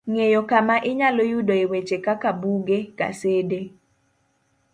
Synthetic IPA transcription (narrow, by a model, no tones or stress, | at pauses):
ŋejokamaʔɪɲalojudoewet͡ʃekakabuɡeka̰sede